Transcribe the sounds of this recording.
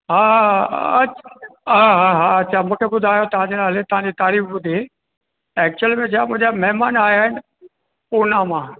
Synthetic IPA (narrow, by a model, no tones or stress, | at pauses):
ɦãː | ɦaɦaɦãɐtːt͡ʃʰaːmʊkʰebʊd̪ʱaːjot̪ɦãːd͡ʑeːnaːlet̪ɐɦãːd͡ʑit̪aːɾiːfbʊd̪ʱi | ɛːk̚t͡ʃʊəlmẽt͡ʃʰaːmʊ̃ɦd͡ʑamɛɦmaːnaːjaːɦɪn | puɾnãːmãː